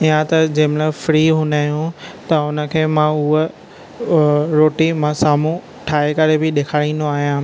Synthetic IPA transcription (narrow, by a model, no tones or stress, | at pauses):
ijãt̪ɐd͡ʑɐɦɪ̃mlafɾiːɦũːnaːɦjũt̪ɐʊnə̆kʰeːmãʊɦ | ɾoːʈimãsaːm̤ũ | ʈʰaːekɐɾebɪɗeːkʰaːɽĩːnd̪oaːɦijãː